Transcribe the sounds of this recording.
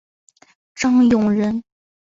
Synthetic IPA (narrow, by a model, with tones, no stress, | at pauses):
ʈ͡ʂɑ˥ŋjʊ˨˩ŋɻə˧˥n